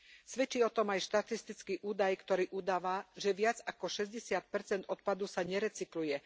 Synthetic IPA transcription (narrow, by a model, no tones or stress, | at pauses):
sʋɛt͡ʃiːɔt̪ɔmajʃt̪at̪ist̪it͡skiːʔuːd̪ajkt̪ɔɾiːʔuːd̪aːʋaʒɛʋɪad͡zakɔʃɛzɟɛsɪat̪̚pɛɾt͡sɛnd̪ɔt̪̚pad̪usaɲɛɾɛt͡siklujɛ